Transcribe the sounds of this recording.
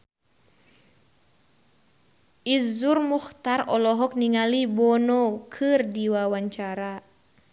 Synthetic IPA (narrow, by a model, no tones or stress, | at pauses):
ʔizurmuxt̪arɔlɔɦɔk̚niŋalibɔnɔkʰɨrdiwawaɲt͡ʃaɾa